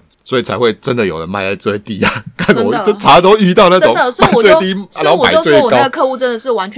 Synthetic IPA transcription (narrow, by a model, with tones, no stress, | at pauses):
sswɔ˧˥i˨˩t͡sʰa˧ɪxwe˥˩ɪʈ͡ʂə˦nd̪ə˨jo˨˩ʊd̪ə˦ma˥˧ɪə˧˦t͡swe˥˩ɪt̪i˥˩a˨˦kʰa˥˩n˨˩wɔ˨˩˥ʈ͡ʂʰa˨˦t̪o˥y˥t̪ɑ˥˧ʊna˥˩˧ʊ˨˦a˥˧˨t͡swe˥˧ɪt̪i˥˧na˨˥˦o˥˩ma˨˩˥t͡swe˥˧ɔ˨kɑ˦ʊ˥˩ɡə˨kʰɤ˥˧u˥˧˩ʈ͡ʂə˥˦nd̪ə˨ʂɻ̩˥˩wa˧˦nt͡ɕʰ